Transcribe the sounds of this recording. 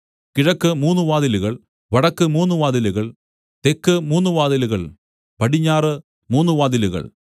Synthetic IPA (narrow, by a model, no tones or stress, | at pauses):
kiɻɐkːɨmuːnːuʋaːðiluɣɐɭ | ʋɐɽɐkːɨmuːnːuʋaːðiluɣɐɭ | t̪ekːɨmuːnːuʋaːðiluɣɐɭ | pɐɽiɲːaːrɨ | muːnːuʋaːd̪iluɣɐ̰ɭ